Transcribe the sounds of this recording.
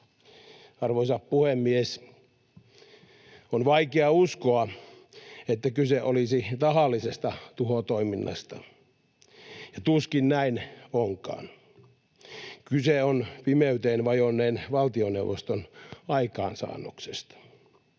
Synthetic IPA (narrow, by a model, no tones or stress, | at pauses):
ɑrʋoisɑppuhemːies | onʋɑikeɑuskoɑ | et̪ːækyseʔolisit̪ɑhɑlːisest̪ɑt̪uhot̪oiminːɑ̰st̪ɑ | jɑt̪uskinnæinoŋkɑ̰ːn | kyseonpimeyt̪eːnʋɑjonːeːnʋɑlt̪ionewʋost̪onɑikɑ̰ːnsɑ̰ːnːuksest̪ɑ̥